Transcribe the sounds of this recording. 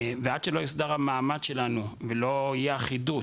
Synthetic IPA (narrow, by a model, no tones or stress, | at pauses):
vead̪ʃelo̞jisd̪aʁamaːmad̪ʃe̞lanuvelo̞ijɛaχidut